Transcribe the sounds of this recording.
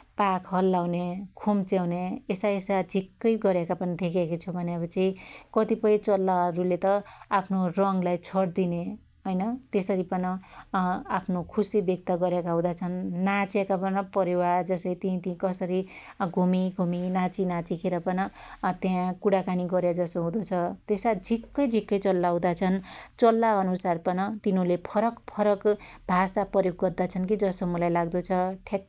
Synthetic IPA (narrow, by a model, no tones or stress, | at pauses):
pakʰɦʌlːawnekʰumt͡sewneesajesad͡zʱikːʌjɡʌɾjakapʌnid̪ʱekʰekot͡sʰubʱʌnebʌt͡sʌĩkʌt̪ipʌj̃t͡sʌlːaɾulet̪ʌapʰnorʌŋlajt͡sʰʌɽd̪ine | ɦʌjnʌt̪esʌɾipʌnʌ | apʰnokʰusibjʌk̚t̪ʌɡʌɾjakaɦũd̪at͡sʰʌnːat͡sekapʌnʌpʌɾewad͡zʌsʌjt̪ĩt̪ĩkʌsʌɾi | ɡʱumiɡʱuminat͡sinat͡sikʰeɾʌpʌnʌt̪jãkuɽakaniɡʌɾjad͡zʌsoɦũd̪ot͡sʰʌt̪esad͡zʱikːʌjd͡zʱikːʌjt͡sʌlːaw̃d̪at͡sʰʌnt͡sʌlːaʌnusarpʌnʌt̪inulepʰʌɾʌkpʰʌɾʌkbʱasapʌjoɡːʌrd̪at͡sʰʌnkid͡zʌsomʌlajlaɡd̪ot͡sʰʌʈʰek̚